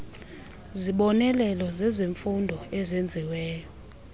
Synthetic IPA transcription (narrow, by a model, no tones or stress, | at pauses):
ziɓɔnɛlɛlɔzɛziɱfundʱɔɛzend͡zʱiwɛːjɔ